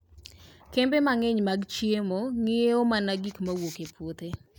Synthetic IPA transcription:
kembemaŋeɲmaɡt͡ʃiemoŋɪeomanaɡikmawokepʰwot̪e

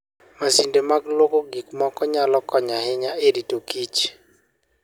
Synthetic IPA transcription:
masindemaɡlwokoɡikmɔkɔɲalɔkɔɲahɪɲaeɾitokit͡ʃ

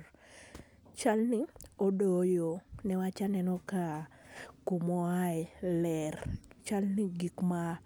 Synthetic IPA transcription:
t͡ʃalnɪodojonɛwat͡ʃanɛnɔkakumɔaɛlɛrt͡ʃalniɡikma

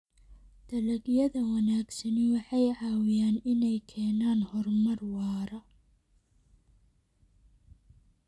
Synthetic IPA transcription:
d̪̥ɐlɐɡjɐðɐwɑnaːɡsɐnɪwɑħɑjʕɑːwɪjaːnɪnɛjkʰɛːnaːnhɔrmɐrwɑːɾɐ

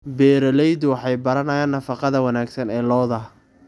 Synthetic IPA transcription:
bɛːɾɐlɛjd̪wɑħɑjbɐɾɐnɐjaːnːɐfɑqɑðɐwɑnaːɡsɐnɛːlɔːðɐ

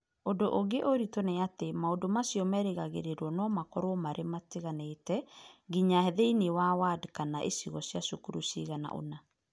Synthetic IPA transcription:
odoʔoɡeʔoɾitonɛatemaodomasiɔmɛɾeɣaɣeɾeɾɔnɔmakɔɾwɔmaɾʔemateɣanetɛɡiɲahɛðeinewawadkanaʔesiɣɔsjasokuɾusiɣana̰ʔo̰na

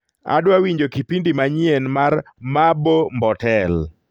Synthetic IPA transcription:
a̰dwawiɲd͡ʒokipindimaɲjenmar | mabombɔtɛl

